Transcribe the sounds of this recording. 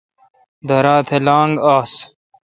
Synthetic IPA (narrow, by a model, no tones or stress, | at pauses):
d̪ʱɐɾaːt̪ʰelaːŋɡaːs